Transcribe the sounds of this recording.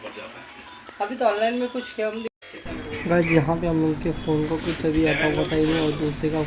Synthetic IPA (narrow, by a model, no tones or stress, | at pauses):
ɐbʱit̪oɔ̃ːnlaɪnmẽkʊt͡ʃʰkemd̪ | ɐɡɐɾd͡ʒɐɦãpeɦɐmʊ̃nkefoːnkokʊt͡ʃʰɐbʱiɛt̪abɐt̪aːiɦẽɔːɾd̪uːsɾeka